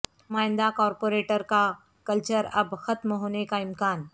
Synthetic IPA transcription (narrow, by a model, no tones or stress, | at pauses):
maːɪnd̪akɔːɾpoɾeʈəɾka | kəlt͡ɕəɾɐ̰bxɐt̪mɦoːnekaɪmkaːn